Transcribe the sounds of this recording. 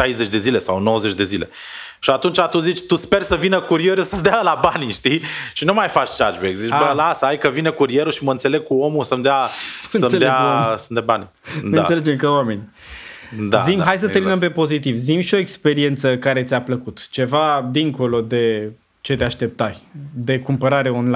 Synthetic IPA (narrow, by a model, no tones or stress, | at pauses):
ʃajzet͡ʃʲd̪e̞zile̞sawnowəzet͡ʃd̪e̞zile̞̰ | ʃiat̪unt͡ʃat̪uzit͡ʃʲt̪uspe̞rsəvinəkuɾie̞ɾusəsd̪ealabaniʃt̪ijʃinumajfat͡ʃʲt͡ʃa̰d͡ʒbekzit͡ʃbəlasəajkəvinəkuɾie̞ɾuʃiməɨnt̪se̞le̞ɡ̚kuo̞musəmd̪eansəseleasənd̪ebanʲi | ɨna̰sele̞d͡ʒemkəwame̞ni | d̪a̰zimɦajsət̪eminəmpe̞po̞zit̪ivzimʃio̞ekspe̞ɾie̞nt̪səkaɾe̞t̪sʲapləkut̪t͡ʃe̞vad̪iŋko̞lo̞d̪e̞ | t͡ʃe̞d̪eaʃt̪e̞p̚t̪aɾʲd̪e̞kumpəɾaɾe̞onla